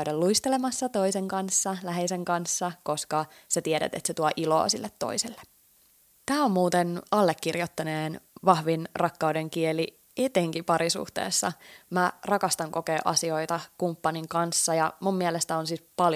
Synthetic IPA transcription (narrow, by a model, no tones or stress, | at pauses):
yɾælluist̪elemɑsːɑt̪o̞iseŋkɑnsːɑlæɦeiseŋkɑnsːɑko̞skɑ | sæt̪ieɾæ̰t̪et̪set̪uɑʔilo̰ːsilːet̪ːo̞̰iselːe̥ | t̪æːomːmuːt̪enɑlːekːirjot̪ːɑneːnʋɑhʋinrɑkːɑude̞ŋkieli | et̪eŋkipɑɾisṵht̪ḛːsːɑ̰mærɑkɑst̪ɑŋko̞keːʔɑ̰sio̞jt̪ɑkumpːɑniŋkɑnsːɑjɑmummiɛelest̪æonsispɑl